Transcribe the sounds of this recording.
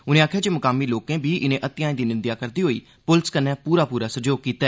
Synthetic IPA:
ʊnẽːaːkʰjaːd͡ʒeːməkaːmiːloːkẽːbiːʔɪnẽːʔət̪ɪjaːĩːd̪iːnɪ̃nd̪jaːkəɾd̪iːɦoːḭː | pʊlskənɛ̃ːpuːɾaːpuːɾaːsəd͡ʒoːɡ̚kiːt̪ɛː

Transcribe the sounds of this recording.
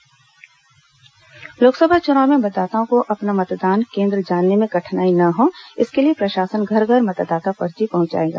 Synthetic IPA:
loːksəbʱat͡ʃʊnaːʊmẽbɐd̪aːt̪aõkoʔɐpnamɐt̪d̪aːnkẽːnd̪ɾəd͡ʒaːnːemẽkɐʈʰnaːinɐɦõːɪskeliepɾɐʃaːsənɡʱɐɾɡʱɐɾmɐt̪d̪aːt̪afɐɾd͡ʒipɐɦʊ̃ɲt͡ʃa̰ːẽːɡa̰ː

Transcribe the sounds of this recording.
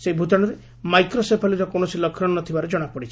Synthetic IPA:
sebʱut̪aɽ̃ɔɾe | majkɾɔsepʰaliɾɔkonɔsilɔkʰːɾɔɽɔnɔt̪ʰibaɾed͡ʒɔɽ̃apɔɽit͡ʃʰi

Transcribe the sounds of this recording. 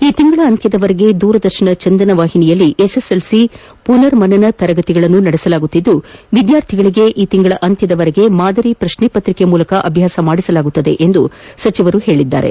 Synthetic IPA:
iːt̪iŋɡɐɭɐːnt̪jɐd̪ɐʋɐɾeɡe̞d̪uːɾɐd̪ɐɾʃɐɳɐt͡ʃɐnd̪ɐnɐʋaːɦinijɐlːiʔeseselsi | punɐɾmɐnɐnɐt̪ɐɾɐɡɐt̪iɡɐɭɐnːunɐɽɛsɐlaːɡut̪ːid̪ːuʋid̪jaːɾt̪ʰiɡɐɭiɡe̞ʔiːt̪iŋɡɐɭɐʔɐnt̪jɐd̪ɐʋɐɾeɡe̞maːd̪ɐɾipɾɐʃniːpɐt̪ɾikemuːlɐkɐʔɐbʱjaːsɐmaːɽisɐlaːɡut̪ːɐd̪e̞̰ʔend̪usɐt͡ʃiʋɐɾuhe̞ːɭid̪ːa̰ːɾe̞̰

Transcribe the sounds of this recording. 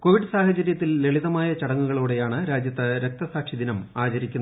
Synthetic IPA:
ko̞ːʋiɽɨsaːhɐt͡ɕɐɾjɐt̪ːilːe̞ɭiðɐmaːjɐt͡ɕɐɽɐŋːuɣɐɭuːɽe̞jaːɳɨɾaːd͡ʑjɐt̪ːɐɾe̞k̚t̪ɐsaːkʂid̪inɐmaːt͡ɕɐɾikʲːunːɐ

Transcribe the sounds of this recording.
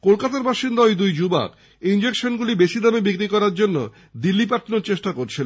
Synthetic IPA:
kolkat̪aɾbaʃind̪aojd̪ujd͡ʑuba̰k | ind͡ʑekʃonɡulibeʃid̪amebikɾikɔɾaɾd͡ʑonːo̰ | d̪ilːipaʈʰːnoɾt͡ɕeʃʈakoɾt͡ɕʰil

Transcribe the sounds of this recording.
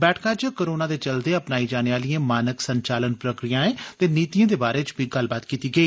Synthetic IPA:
bɛːʈʰkaːt͡ʃkoɾoːnaːd̪eːt͡ʃəld̪eːəpnaːiːd͡ʒaːneːʋaːliãːmaːnəksəɲt͡ʃaːlənpɾəkɾijãːɛ̃ːt̪eːniːt̪ijãːd̪eːbaːɾeːt͡ʃbʱiːɡəlbaːt̪kiːt̪iːɡəiː

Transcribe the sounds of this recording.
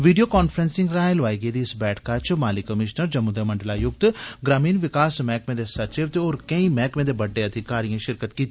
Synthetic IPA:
ʋiːɖijoːkaːnfʰɾɛnsɪ̃ŋɡɾaːẽlʋaːiːɡeːd̪iːsbɛːʈʰkaːt͡ʃmaːlɪkːəmɪʃnəɾd͡ʒəmuːd̪eːməɳɖlaːjʊɡ̚t̪ɡɾaːmiːnʋɪkaːsmɛːkmẽːd̪eːsət͡ʃeʋt̪eːoːɾkə̃ĩːmɛːkmẽːd̪eːbəɖːeːəd̪ikaːɾijãːʃɪɾkət̪kiːt̪i

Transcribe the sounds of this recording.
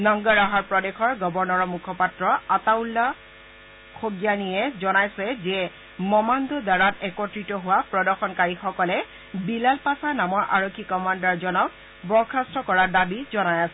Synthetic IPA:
nɔŋɡɔɹaɦaɹpɹɔdexɔɹɡɔbɔɹnɔɹɔmukʰɔpatɹɔataulːa | kʰoɡjanijɛzɔnajsɛzɛ | mɔmandɔdaɹatɛkɔtɹitɔɦʊwapɹɔdɔɹxɔnkaɹixɔkɔlɛ | bilalpasanamɔɹʔa̰ɹokʰːikɔmandɔɹzɔnɔk̚ | bɔɹkʰastɹɔkɔɹadabizɔnajasɛ

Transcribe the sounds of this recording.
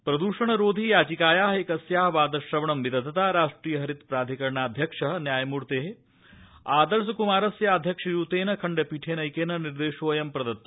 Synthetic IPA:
pɾɐd̪uːʂɐɳɐɾoːd̪ʱijaːd͡ʒikaːjaːɦekɐsjaːɦɐʋaːd̪ɐʃɾɐʋɐɳɐmʋid̪ɐd̪ʱɐt̪aːɾaːʂʈɾiːjɐɦɐɾit̪pɾaːd̪ʱikɐɾɳaːd̪ʱjɐkʂɐɦɐnjaːjɐmuːɾt̪eːɦe | aːd̪ɐɾs̬ɐkumaːɾɐsjaːɐd̪ʱjɐkʂɐjuːt̪eːnɐkʰɐɳɖepiʈʰeːnɐjkeːnɐniɾd̪eːʃoːjɐmpɾɐd̪ɐt̪ːɐ

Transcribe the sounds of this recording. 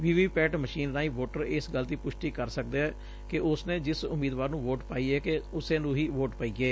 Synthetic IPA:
ʋiːʋiːpɛːʈməʃiːnnaːiːʋoːʈəɾesɡəlt̪iːpʊʃʈiːkəɾsək̚d̪eːɛː | kɪʔʊsnẽːd͡ʒɪsʊmiːd̪ʋaːɾnũːʋoːʈpaːiːɛːkeʊsẽːnũːɦiːʋoːʈpaːiːɡeː

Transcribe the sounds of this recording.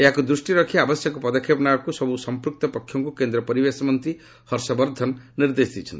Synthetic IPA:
eɦakud̪ɾusʈiɾɔkʰiabɔsjɔkɔpɔd̪ɔkʰːjepnaɔkusɔbusɔmpɾuk̚t̪ɔpɔkʰːjɔŋkukend̪ɾɔpɔɾibesɔmɔnt̪ɾi | hɔɾsɔbɔɾd̪ʱɔnniɾd̪esd̪it͡ʃʰɔnt̪i

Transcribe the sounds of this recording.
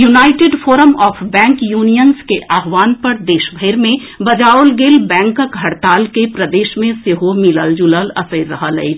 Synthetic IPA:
junaːɪʈeːɖpʰoːɾəmɔːpʰbɛ̃ːŋkjuːnijənskeʔaːɦʋaːnpəɾd̪eːʃbʱəɪɾmẽ | bɐd͡ʒaːʊlɡeːlbɛ̃ːŋkəkɦɐɽt̪aːlkepɾəd̪eːʃmẽseɦomɪləld͡ʒuləlɐ̰səɪːəɦələ̰i

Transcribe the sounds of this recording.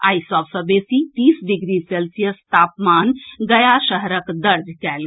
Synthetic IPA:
a̰ːjsaʋsəbesit̪iːsd̪iɡɾiselsijəst̪aːpmaːnɡəjaʃəɦɾəkd̪əɾd̪ʱkɛl

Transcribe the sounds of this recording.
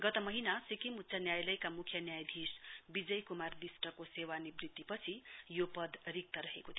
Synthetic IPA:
ɡʌt̪ʌmʌɦinasikimut̪ːsʰanjajlʌjkamukʰjʌnjajd̪ʱisbid͡zʌjkumard̪isʈʌkosewanibrid̪ipʌt͡sʰijopʌd̪rik̚t̪ʌɾʌɦḛkot̪ʰi

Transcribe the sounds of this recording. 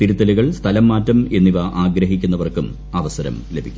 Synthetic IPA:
t̪iɾut̪ːɐluɣɐɭst̪ʰɐlɐmːaːtːɐme̞nːiʋɐʔaːɡɾɐɦikʲːunːɐʋɐrkum | ɐʋɐsɐɾɐ̰mlebʱikʲːu

